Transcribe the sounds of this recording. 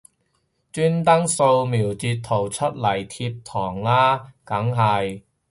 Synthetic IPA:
t͡ʃyː˥nt̪ɐ˥ŋso˧wmiː˨˩wt͡siː˧t̚t̪ʰːo˨˩wt͡sʰɵ˥t̚lɐ˨˩jt̪ʰiː˧p̚t̪ʰɔː˨˩ŋlaː˥kɐ˨˥ŋɦɐ˨j

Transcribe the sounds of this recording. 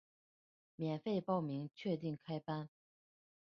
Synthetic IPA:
mjɛ˨˩nfe˥˧ɪpɑ˥˩ʊmi˧˥ŋt͡ɕʰɥɛ˥˧t̪i˥˩ŋkʰa˥ɪpa˥n

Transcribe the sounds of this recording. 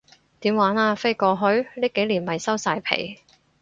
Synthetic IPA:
t̪iː˨˥mwaː˨˥naː˧fe˥jkɔː˧ɦɵ˥ɥliː˥ke˨˥jliː˨˩nmɐ˨jsɐ˥wsaː˧jpʰḛ˨˩j

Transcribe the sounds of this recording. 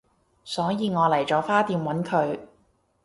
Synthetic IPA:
sɔː˨˥jiː˧ŋɔː˨˧lɐ˨˩jt͡sɔː˨˥faː˥t̪iː˧mwɐ˨˥nkʰɵ˨˧ɥ

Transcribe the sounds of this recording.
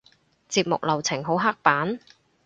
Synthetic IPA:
t͡siː˧p̚mʊ̰˨k̚lɐ˨˩wt͡sʰɪ˨˩ŋɦo˨˥wɦaː˥k̚paː˨˥n

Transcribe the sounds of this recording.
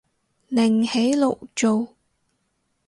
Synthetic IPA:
nɪ˨˩ŋhe˨˥jlo˨w̚t͡so˨w

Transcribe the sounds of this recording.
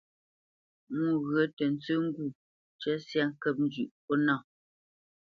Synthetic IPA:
ŋu˦˨ɣɰə˨˦tə˨n̩˦t͡sə˦ŋ̩˦ɡu˦˨ | t͡ʃɛ˦sja˦ŋ˦kə˦p̚n̩˦d͡ʒʉ˨ʔpɔ˦na˦˨

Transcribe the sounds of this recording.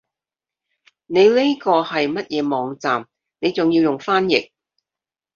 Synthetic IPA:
ne˨˧jle˥kɔː˧hɐ˨jmɐ˥t̚jɛː˨˧mɔː˨˧ŋt͡saː˨m | ne˨˧jt͡sʊ˨ŋjiː˧wjʊ˨ŋfaː˥njɪ̰˨k̚

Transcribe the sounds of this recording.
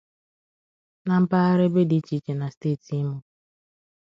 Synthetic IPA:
na˨m̩˦pa˦a˦ɾɪ˦be˦di˦t͡ʃi˨˦t͡ʃe˨na˨steː˦˨tʰi˦mu˦

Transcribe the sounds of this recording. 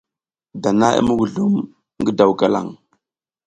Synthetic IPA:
da˨na˦ḭ˦mə˦ɡu˨ɮu˦m | ŋɡə˦da˨wka˦la̰˨ŋ

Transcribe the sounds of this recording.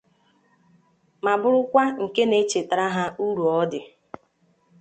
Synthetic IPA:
ma˨bʊ˦ɾʊ˦kʷa˦ŋ̩˨ke˦ne˦t͡ʃe˨tɾa˦ɦa˦u˦ɾu˨ɔ˦dɪ˨

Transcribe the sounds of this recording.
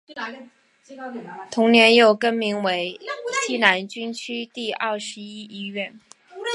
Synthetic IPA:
t̪ʰʊ˧˥ŋnjɛ˧˥njo˥˩ʊkə˥nmi˧˥ŋwe˧˥ɪɕi˥na˧˥nt͡ɕy˥nt͡ɕʰy˥t̪i˥˧ʔɐ˥˩ʂɻ̩˧˥i˥i˥ɥɛ˥˩n

